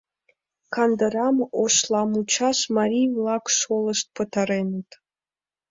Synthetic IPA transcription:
kɑnd̪ə̆ɾɑmoʃlˠɑmut͡ɕɑʃmɑɾʲijvlˠɑkʃolˠə̆ʃt̪̚pə̆t̪ɑɾenət̪

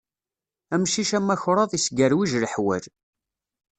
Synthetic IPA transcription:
æmʃiʃæmːæçʊɾˤɑðˤisɡəɾwiʒləħwæ̰l

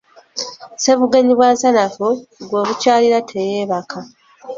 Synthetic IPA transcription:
se̞βuɡeɲiβwaːnsanafuɡwo̞ːβucaːliɾatʰe̞je̞ːβakʰa

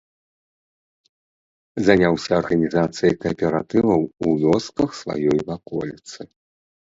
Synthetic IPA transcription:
zanʲawsʲɐːrɣɐnʲizat̪sɨjɐkɐpʲɛɾat̪ɨvɐwuvʲɔskɐxsva̰jɔjvakɔ̰lʲit̪sɨ

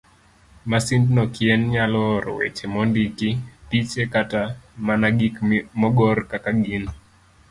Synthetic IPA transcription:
masindnɔkɪɛnɲalɔɾɔ̰wḛt͡ʃemɔndikipit͡ʃekatamanaɡikmɔɡɔrkakaɡin

